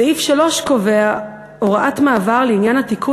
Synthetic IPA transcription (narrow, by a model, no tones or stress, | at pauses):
eifʃalo̞ʃko̞vea | oʁaʔatmaːvaʁleinjanhatikʰu